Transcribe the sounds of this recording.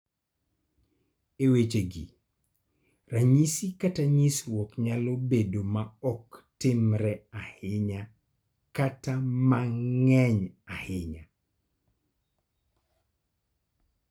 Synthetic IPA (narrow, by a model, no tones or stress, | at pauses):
ewet͡ʃeɡḭ | raɲisikataɲiswɔkɲalobedomaɔktɪmɾɛahɪɲa | katamaŋɛɲahɪɲa